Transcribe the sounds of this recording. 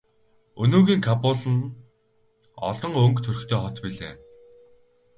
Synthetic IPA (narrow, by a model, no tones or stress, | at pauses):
ɵnɵːɣiːŋkʰapʊːɮɘ̆n | ɔ̰ɮɞ̆ŋɵŋkt̪ʰɵrɵ̆kt̪ʰeːχɔt̪piɮḛː